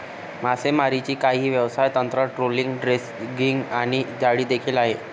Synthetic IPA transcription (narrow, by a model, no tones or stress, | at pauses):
m̤asemaɾit͡ɕiːkaɦiːʋjəʋsajt̪ənt̪ɾəʈɾoliŋɡɖɾes | ɡiŋɡaɽ̃id͡ʑaɽiːd̪ekʰiːlaɦe